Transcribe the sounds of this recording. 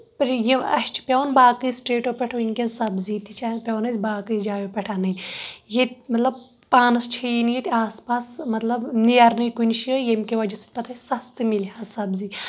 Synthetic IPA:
pɐɾjiɐ̰ʃt͡ʃʰi̥pʲɐʋnbaːkɨsʈeːʈopʲeʈʰoinʲkʲensɐbzit̪ʰit͡ʃʰapʲɐʋnɐsʲbaːkɨd͡ʒaːjopʲɐʈʰaːnɐjjemɐt̪lɐb̚ | paːnɐst͡ʃʰɐjinijet̪iaːspaːsmɐt̪lɐbniɐɾnɨjkunʃijemkeʋɐd͡ʒɐsit̪̚ʲpɐt̪ʰaːsɐst̪ɨmilɦasɐbzi

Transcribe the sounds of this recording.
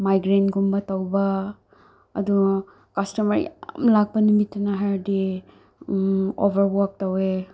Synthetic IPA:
majɡɾentɡumbɐtawbɐ̰ː | du | kastɐmɐɾjamlak̚bɐnumitːanaɦaɾdi | obʱɐɾbɔk̚tawe

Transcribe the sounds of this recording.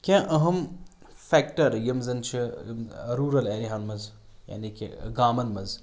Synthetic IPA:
kʲãːʔɐɦɐm | fɛːk̚ʈɐɾjɐmzɐnt͡ʃʰi | ɾuːɾɐleːɾiɦanmɐz | ja̰ːnikḭɡaːmɐnmɐz

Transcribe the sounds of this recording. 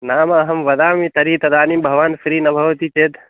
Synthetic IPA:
naːmaɦɐmʋɐd̪aːmit̪ɐɾit̪ɐd̪aːnimbʱɐʋaːnfʰɾiːnɐbʱɐʋt̪iːt͡ʃet̪

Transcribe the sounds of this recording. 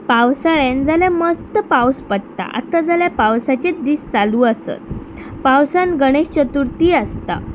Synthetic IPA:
pawsaɭend͡zaljaməst̪əpawspəɽt̪a̰ʔa̰t̪ːad͡zaljapawsat͡ɕed̪iːst͡saluːəsə̰t̪̚ | pawsãnɡəɽ̃eɕt͡ɕət̪uɾt̪iːəst̪a̰

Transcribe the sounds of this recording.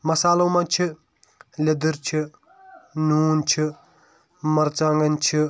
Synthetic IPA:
mɐsaːlɐwmat͡ʃʰi | lʲed̪iɾt͡ʃʰi | nuːnt͡ʃʰi | mɐɾt͡saŋɡɐnt͡ʃʰi

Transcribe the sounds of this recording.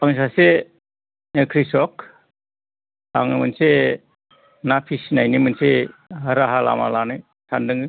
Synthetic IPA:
paŋs̬ase | ekʰɾisɔk | a̰ŋɯmɯnse | napʰisnajnimɯnseɦaɾaɦala̰ma̰lanɯj | sʰandɯŋɯ

